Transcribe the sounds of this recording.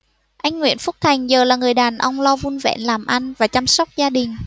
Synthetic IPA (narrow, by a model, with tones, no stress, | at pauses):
ʔa˧jŋ̟ŋwḭ˧˥ənfʊ˦˥k̚t̪ʰa˨˩jŋ̟zəː˨˩laː˨˩ŋɨ˨˩əjɗaː˨˩nʔə˧wŋ͡mlɔ˧vu˧nvɛ̰˧˥nlaː˨˩mʔa˧jŋvaː˨˩t͡ɕa˧msə˦˥wk͡p̚zaː˧ɗï˨˩ŋ̟